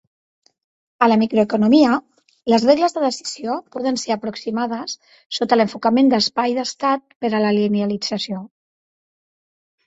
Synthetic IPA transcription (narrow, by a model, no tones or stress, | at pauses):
ələmikɾoekunumiə | ləzreɣləzðəðəsi̥z̥iopɔð̞ənseɾəpɾuksimað̞əsː | ot̪ələɱfukəmend̪əspajðəst̪at̪̚pəɾələlineəlid͡zəsio